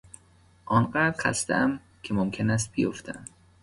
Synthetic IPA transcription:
ʔɒnɢæɾxæ̰st̪ḛæm | cʲʰemomkʰe̞næs̬t̪̚bijoft̪ʰeæm

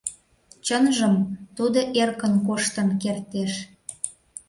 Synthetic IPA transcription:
t͡ɕənʒəmt̪ud̪oʔerkənkoʃt̪ə̆nkert̪eʃ

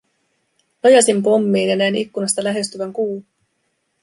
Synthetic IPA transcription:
ojɑsimpo̞mːiːnjɑnæinikːunɑst̪ɑlæɦe̞st̪yʋæŋkuː

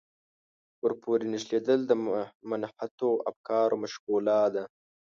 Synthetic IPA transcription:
wəɾpoɾenɪʃled̪əld̪əmʊnfat̪oa̰fkɑɾomaʃqulɑd̪a

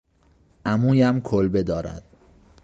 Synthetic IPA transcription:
ʔæmuːjæmkʰolbe̞d̪ɒːɾæ̰d̪̥

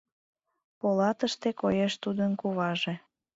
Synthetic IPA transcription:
polɑt̪əʃt̪ekojeʃt̪ud̪ənkuβɑʒe

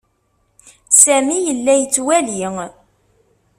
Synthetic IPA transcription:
sæmijəlːæjət͡sːwæliŋ

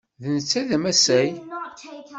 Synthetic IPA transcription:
ðnət͡sːæðæmæsæj

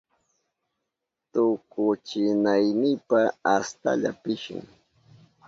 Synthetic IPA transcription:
t̪ʊkʊt͡ʃɪnajnɪpaast̪a̰ʎapɪʃʊ̰ŋ

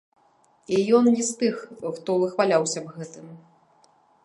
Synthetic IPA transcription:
ijɔnnʲist̪ɨxxt̪ɔvɨxvalʲawsʲɐbɣɛt̪ɨm

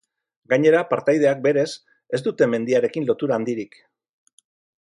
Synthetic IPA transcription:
ɡaɲe̞ɾapaɾt̪ajð̞e̞ak̚be̞ɾe̞s | e̞zd̪ut̪e̞me̞nd̪iaɾe̞kinlo̞t̪uɾaːnd̪iɾik

